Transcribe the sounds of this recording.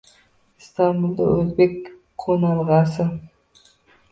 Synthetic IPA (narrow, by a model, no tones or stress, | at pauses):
st̪ɑmbulˠd̪ɑ̰ɵzbekʲ | qʰonɑlˠʁɑsə